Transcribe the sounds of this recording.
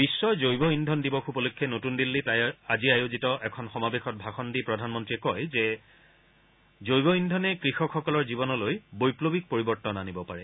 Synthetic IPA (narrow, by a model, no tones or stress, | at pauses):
b̥isːɔzojbɔindʱɔndibɔxupɔlukʰːɛnotundilːitajaziajozitɔʔɛkʰɔnxɔmabexɔt̚bʱaxɔndipɹɔdʱanmɔntɹiɛkɔjzɛ | zojbɔindʱɔnɛkɹixɔkxɔkɔlɔɹzibɔnɔlojbojplobik̚poɹibɔɹtɔnanibɔpaɹɛ